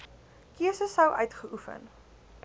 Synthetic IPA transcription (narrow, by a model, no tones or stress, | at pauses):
kiəsəsəwʔœɥtχəʔufə̰n